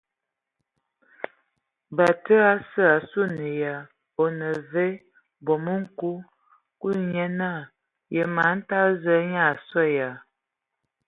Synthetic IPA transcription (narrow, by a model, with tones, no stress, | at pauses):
ba˨tə˦a˦sə˦a˨su˦nə˨ja˨ | o˨nə˨ve˦ | bɔ˨mə˦ŋ̩˦˨ku˦ | ku˦ɲɛ˦na˦˨ | jə˨ma˨˦n̩˦ta˦zə˦ɲa˦˨sɔ˦˨ja˨